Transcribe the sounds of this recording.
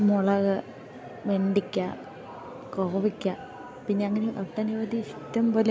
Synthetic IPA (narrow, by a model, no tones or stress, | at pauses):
moɭɐɣɐ | ʋeɳɖikʲːa | koːʋikʲːɐ | pinːeɐŋːɐneʔɐʈːɐniʋɐd̪isi̥t̪ːɐmpoːle